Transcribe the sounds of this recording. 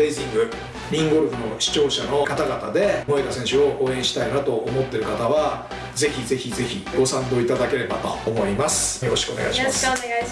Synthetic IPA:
eizĩŋɡɯ̟ | mʲĩŋɡo̞ɾɯ̟ɸɯ̟no̞ɕi̥t͡ɕo̞ːɕano̞kat̪aɡat̪a̰d̪e̞mo̞ekasẽ̞ɕɨo̞ʔoːẽ̞ɰ̃ɕi̥t̪ainat̪o̞ʔːmo̞t̪ːe̞ɾɯ̟kat̪aβa | ze̞çʲize̞çʲize̞çʲiɡ̥o̞sãnd̪o̞ːit̪ad̪ake̞ɾe̞ba̰t̪o̞̰ːmo̞imasɨ̥jo̞ɾo̞ɕi̥kɯoneɡa̰iɕims

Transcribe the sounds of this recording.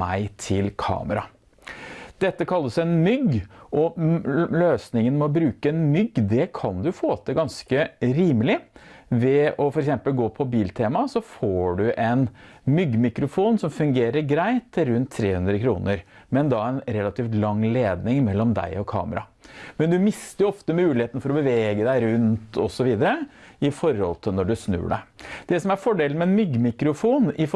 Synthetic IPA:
æɪt̪ʰɪlkʰɑ̰ːməɾɑ | d̪̥ɛt̪ːəkʰɑlːəsɛnmʏɡʔɔ | løːsnɪŋənmɛɔbɾʉːkəɛnmʏɡd̪ɛkʰɑnd̪ʉfoːt̪əɡɑnskəɾiːməlɪʋɛɔfɔɾɛksɛmpəlɡoːpʰɔbiːlt̪ʰeːmɑsɔfoːɖʉʔɛnmʏɡmɪkɾʊfuːnsɔmfʉŋɡeːɾəɾɡɾæɪt̪ʰːɪlɾʉnt̪ʰːɾeːhʉnd̪ɾəkʰɾṵːnəɾmɛnd̪ɑɛnɾɛlːɑt̪ʰiːft̪lɑŋːleːd̪nɪŋmɛlːɔmd̪æ̰ɪɔkʰɑ̰ːməɾɑ̰mɛnd̪ʉmɪst̪əjʊɔft̪əmʉːlɪheːt̪n̩fɔɾɔbəʋeːɡəd̪æɪɾʉnt̪ʰɔsɔʋiːd̪əɾəɪfɔɾhɔ̰lt̪ʰɪlnɔɖʉsnʉ̰ːɖæ̰d̪̥ɛsɔmæɾfɔɖeːlənmɛnmʏɡːmɪkɾʊfuːnɪf

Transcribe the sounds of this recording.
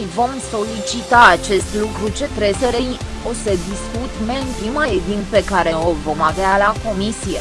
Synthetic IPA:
jvo̞mso̞lit͡ʃit̪aːt͡ʃe̞st̪lukɾut͡ʃe̞t̪ɾeseɾej | o̞səd̪iskut̪meɨnpimaed̪inpe̞kaɾe̞ovo̞mavealako̞misije

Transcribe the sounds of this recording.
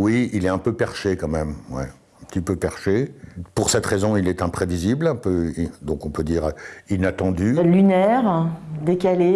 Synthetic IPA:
wiilɛɛ̃pøpɛʁʃekɑ̃mɛmwɛ̰ | ɛ̃pə̥t̪ipøpɛʁʃepuʁsɛt̪χezɔ̃ilɛt̪ɛ̃pχeviziblɛ̃pød̪ɔ̃kɔ̃pød̪iːʁinat̪ɑ̃d̪ylynɛʁd̪ekale

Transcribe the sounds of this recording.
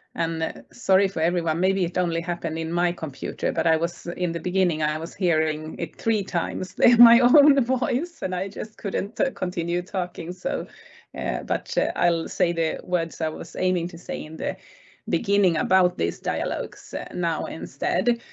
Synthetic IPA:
ʔɨ̃nsɑɹifə˞ɛvɹiwʌ̃nmeɪbiɨɾõʊ̃nliɦæpɨ̃ndɨ̃nmaɪkʰə̃mpʰj̥ʉ̰ɾə̰˞bʌɾaɪwʌz̥ɪ̰̃nðɨbɨɡɪ̃nɪ̃ŋaɪwʌz̥hiɹɪ̃ŋɪ̰t̪̚θɹitʰã̰ɪ̃mz̥ðə˞maɪõʊ̃nvɔɪsɨ̃naɪd͡ʒʌst̚kʰʊdⁿn̩tkʰə̃ntʰɪ̃njʉtʰɔkɪ̃ŋso̰ʊ̰ | bʌ̰ɾa̰ɪlˠseɪðɨwɜ˞dz̥aɪwʌz̥ḛ̃ɪ̃mɪ̃ŋtʰɨseɪɨ̃nðɨ | bɨɡɪ̃nɪ̃ŋəbaʊt̪̚ðizdaɪɨ̰lɔ̰ʊɡz̥naʊɪ̰̃nstɛ̰d

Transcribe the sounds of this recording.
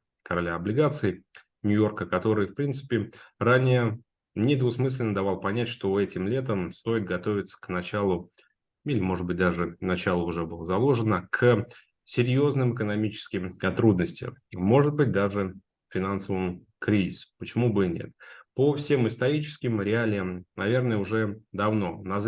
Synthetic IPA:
kəɾɐlʲaɐblʲɪɡat̪sɨɪ | nʲʊjo̞rkəkɐt̪o̞ɾɨjfpɾʲint̪sɨ̥pʲɪranʲɪjə | nʲɪd̪vʊsmɨs̬ʲlʲɪnəd̪ɐvalˠpɐnʲætʲʂt̪o̞ɛtʲɪmlʲe̞t̪əmst̪o̞ɪt̪̚ɡɐt̪o̞vʲɪt̪sə̥knɐt͡ɕalˠʊ | ilʲɪmo̞ʐɨd̪bɨt̚ʲd̪aʐɨnɐt͡ɕalˠʊʊʐɛbɨlˠəzɐlˠo̞ʐɨnəkʰə | sʲɪɾʲjo̞znɨmɨkənɐmʲit͡ɕɪ̥skʲɪmɐt̪ɾud̪nəsʲtʲɪ̰mo̞ʐɨt̪̚bɨt̚ʲd̪aʐɨ | fʲɪnansəvəmʊ | kɾʲizʲɪsʊ̥pət͡ɕɪmubɨnʲḛt̪̚pofsʲe̞mɪst̪ɐɾʲit͡ɕɪ̥skʲɪmɾʲɪalʲɪjəmnɐvʲe̞rnəjəʊʐɛd̪ɐvno̞nɐz

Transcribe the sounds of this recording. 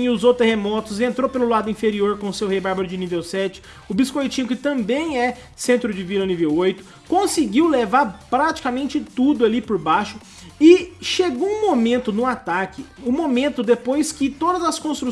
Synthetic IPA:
ʊzot̪ehemɔt̪ʊzẽnt̪ɾopelʊlad̪ʊĩfeɾioɾkõʊsewhejbaɾbɐɾʊd͡ʒɪnivewsɛt͡ʃɪ̥ | ʊbiskojt͡ʃĩɲʊkɪt̪ɐ̃mbẽj̃ɛ | sẽnt̪ɾʊd͡ʒɪvilɐnivewojt̪ʊ̥ | kõsɪɡiwlevaɾpɾat͡ʃi̥kamẽnt͡ʃɪt̪ud̪ʊalipʊɾbaʃʊ | ɪʃeɡoũmomẽnt̪ʊnʊat̪akɪʊmomẽnt̪ʊd̪epojskɪt̪od̪ɐzɐskõst̪ɾu

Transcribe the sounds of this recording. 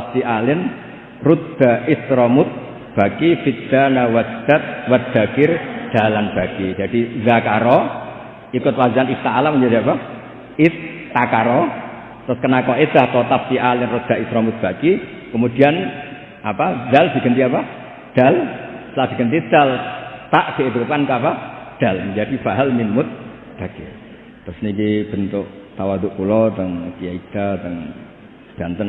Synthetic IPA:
aft̪iʔalɪn | rud̪̥a̤ʔɪst̪ɾɔmʊt̪̚ | b̥a̤kifit̪d̪̥anawad̪̥at̪̚wat̪̚d̪̥a̤kɪrd̪̥a̤lanb̥a̤kid͡ʒad̥izakaɾɔ | ikʊt̪wazanist̪aːlaməɲd͡ʒadiapa | ɪst̪akaɾɔ | t̪ʊskənakɔesaht̪ɔt̪aft̪iʔalɪnrud̪̥a̤ʔist̪ɾɔmʊt̪̚b̥a̤ki | kəmud̥i̤an | apad̪̥alb̥i̤ɡənt̪iapa | d̪̥a̤lt̪əlaʔb̥i̤kənt̪id̪̥a̤lt̪aʔd̪̥ieb̪ukankəapad̪̥alməŋd͡ʒad̥ifaɦalminmʊt̪̚ | b̥a̤ɡ̥e | t̪ɾʊsnikib̥ə̤nt̪ʊʔt̪awad̪uʔpulɔt̪əŋkijaid̪̥at̪əŋ | d̪̥a̤nt̪ən

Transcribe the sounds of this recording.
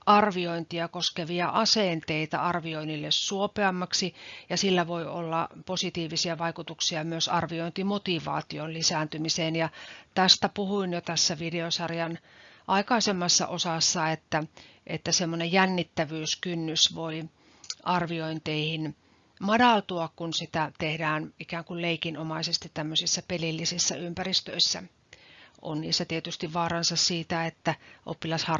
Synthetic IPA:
ɑrʋioint̪iɑkoskeʋiɑʔɑsent̪eit̪æ̰ɑrʋioinilːessuopeɑmːɑksijɑsilːæʋoio̰lːɑposit̪iːʋisiɑʋɑikut̪uksiɑmyøsɑrʋioint̪imot̪iʋɑ̰ːt̪ionlisænt̪ymiseːnjɑt̪æst̪æpuhuinjot̪æsːæʋideosɑrjɑn | ʔɑikɑisemːɑsːɑ̰ʔosɑsːɑet̪ːæ | ʔet̪ːæsemːonejjænːit̪ːæʋyːskynːysʋoi | ʔɑrʋioint̪eihin | mɑdɑlt̪uɑkkunsit̪æt̪ehdæːnikæːŋkulleikinomɑisest̪it̪t̪æmːøsisːæpelilːisisːæ̰ympærist̪ø̰isːæ̰ | ʔo̰nnḭːsːæt̪iet̪yst̪iʋʋɑːrɑnsɑssiːt̪æet̪ːæʔo̰pːilɑshɑr

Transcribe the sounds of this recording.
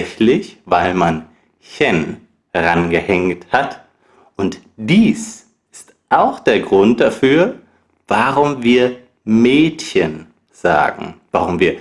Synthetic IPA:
çlɪçvaɪlman | çɛn | ɛʁanɡəhɛŋthat | ʊntd̥iːs | ʔɪst | ʔaʊxd̥eːɐɡʁʊnt̚d̥afyːɐ | v̥aʁʊmviːɐ | mɛːtçən | z̥a̰ːɡŋ̩v̥aʁʊmviːɐ

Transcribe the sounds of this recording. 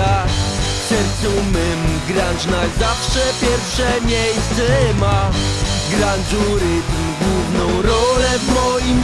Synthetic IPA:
a | sɛɾsʲumɘmɡɾant͡ʂnaɡzafʂɛpʲjɛɾfʂɛmʲjejst̪sɛma | ɡɾanʐuɾɪt̪mɡwuvnɔ̃w̃ɾɔlɛvmɔjim

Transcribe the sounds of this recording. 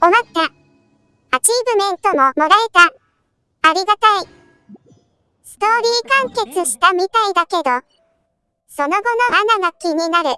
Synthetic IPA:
omat̪ːa | at͡ɕiːbɯ̟mẽ̞nt̪o̞mo̞mo̞ɾae̞t̪a | aɾʲiɡat̪ai | sɨ̥t̪o̞ːɾʲiːkãŋke̞t͡sɨɕi̥t̪amʲit̪aid̪ake̞d̪o̞ | so̞no̞ɡo̞no̞hanaɡakʲiɲ̟inaɾɯ̟

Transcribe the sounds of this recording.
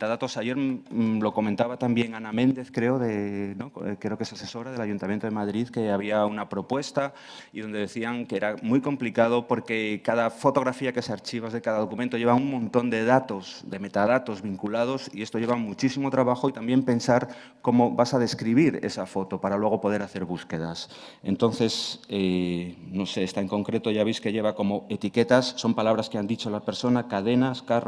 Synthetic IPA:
met̪aðat̪o̞saʝe̞ɾlo̞ko̞mẽ̞nt̪aβat̪ambje̞ŋanamẽ̞nd̪e̞θkɾe̞oðenokɾeoke̞sase̞so̞ɾaðe̞laʝunt̪amjent̪oemaðɾiðke̞aβ̞iaunapɾo̞pwe̞st̪a | iðo̞nd̪e̞ðe̞θiaŋkeɾamujko̞mplikað̞o̞po̞ɾke̞kaðafo̞t̪o̞ɣɾafiake̞seaɾt͡ʃiβazðekaðað̞o̞kument̪o̞ʝe̞βauŋmõnt̪o̞nd̪e̞ðat̪o̞zde̞me̞t̪aðat̪o̞zβiŋkulað̞o̞sie̞st̪o̞ʎe̞βamut͡ʃisimot̪ɾaβaxoit̪ambje̞mpe̞nsaɾ | ko̞moβasað̞e̞skɾiβ̞iɾḛsafo̞t̪opaɾalwe̞ɣ̞opo̞ð̞e̞ɾaθe̞ɾβuskeð̞as | e̞̰nt̪o̞nθe̞senoseest̪aeŋko̞ŋkɾe̞t̪oʝaβ̞iskeʎe̞βako̞moet̪iket̪asːo̞mpalaβɾaskeand̪it͡ʃolape̞ɾso̞nakaðenaskar

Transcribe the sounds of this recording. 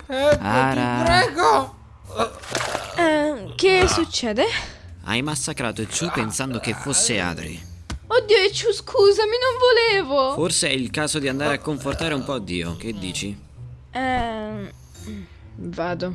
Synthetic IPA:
pɛaɾapɾɛːɡo | ɛk̟esut͡ʃːɛːd̪e | a̰jmasːakɾaːt̪oit͡ʃːupːensand̪ok̟efosːea̰ːd̪ɾḭ | od̪ːiːoet͡ʃːuskʰuːzaminoɱvoleːvoforseɛilkaːzod̪iand̪aːɾeakːoɱfort̪aːɾeumpɔd̪ːiːo̰k̟ed̪ːiːt͡ʃi | ɛ | vaːd̪o

